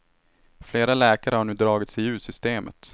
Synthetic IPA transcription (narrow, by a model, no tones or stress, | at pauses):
fleːɾalɛːkaɾəhaɳʉ̟ːd̪ɾɑːɡɪt̪sɛjʉ̟ːsʏst̪eːmʔə̰t̪